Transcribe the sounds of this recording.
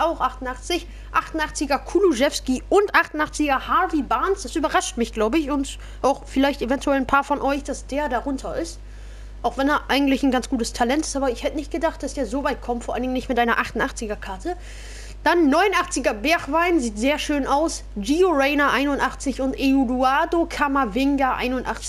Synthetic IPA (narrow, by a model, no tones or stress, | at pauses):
aʊxʔaχtʊnʔaχt͡sɪç | ʔaχtʊnʔaχt͡sɪɡɐkʰuːluʒɛfskiʔʊntʔaχtʊnʔaχt͡sɪɡɐhavibaːnsd̥asʔyːbɐʁaʃtmɪçɡ̥laʊbəɪçʊnt | ʔaʊxfɪlaɪçtevɛntʰuɛln̩pʰaːɐfɔnʔɔʏçd̥asd̥eːɐdaʁʊntʰɐɪst | ʔaʊxv̥ɛnɛɐʔaɪɡŋ̩tlɪçn̩ɡant͡sɡ̥uːtəstʰalɛntɪ̥stʔaːbɐɪçhɛtənɪçt̚ɡ̥ədaχt̚d̥asd̥eːɐzoːvaɪt̚kʰɔmtfɔɐʔalndɪŋnɪçtmɪtʔaɪnɐʔaχtn̩ʔaχt͡sɪɡɐkʰaɐtʰə | d̥anːɔʏnonʔaχt͡sɪɡɐbɛɐxv̥aɪnziːtz̥eːɐʃøːnʔaʊs | d͡ʒioʁɛɪnɐʔaɪnʊntʔaχt͡sɪçʊntʔeuluaːdokʰamavɪŋɡaʔa̰ɪnʊntʔa̰χt͡sɪ̥